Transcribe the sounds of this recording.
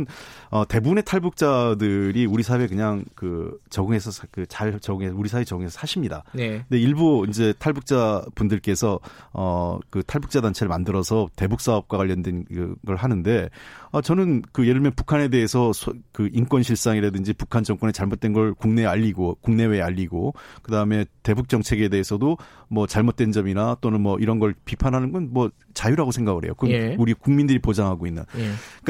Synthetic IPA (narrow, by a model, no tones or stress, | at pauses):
nʌte̞bune̞tʰaɭbuk̚t͡ɕ͈adɯɾiuɾisʰawe̞k̬ɯɲaŋkɯt͡ɕʌɡɯŋe̞sʰʌkɯt͡ɕaɭt͡ɕʌɡɯŋesuɾisʰaet͡ɕʌɡɯŋesʰʌsʰaɕʰimɲida̰nnde̞iɭboind͡ʑe̞tʰaɭbuk̚t͡ɕ͈abundɯɭk͈e̞sʰʌʌkɯtʰaɭbuk̚t͡ɕ͈adant͡ɕʰeɾɯɭmandɯɾʌsʰʌte̞buk̚s͈aʌp̚k͈wakwaʎːʌndwenɡɡʌɭɦanɯnde̞ʌt͡ɕʌnɯnkɯjeɾɯɭmjʌnpukʰane̞de̞ɦesʰʌsʰkɯʔink͈wʌnɕʰiɭs͈aŋiɾadɯnd͡ʑipukʰand͡ʑʌŋk͈wʌnet͡ɕaɭmot̚t͈wenɡʌɭkuŋne̞aʎːiɡokuŋne̞we̞eaʎːiɡokɯdaɯme̞te̞buk̚t͡ɕ͈ʌŋt͡ɕʰe̞ɡe̞de̞ɦesʰʌdomwʌt͡ɕaɭmot̚t͈wend͡ʑʌminat͈onɯnmwʌʔiɾʌnɡʌɭpipʰanɦanɯnɡʌnmwʌ | t͡ɕajuɾaɡosʰe̞ŋɡaɡɯɾɦḛjokɯuɾikuŋmindɯɾipod͡ʑaŋɦaɡoinːɯ̰nka